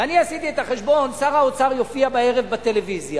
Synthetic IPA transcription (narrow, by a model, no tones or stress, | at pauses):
aniasit̪iet̪aχeʃbo̞nsaʁaot͡saʁjo̞fiabaeʁe̞vbat̪e̞levizja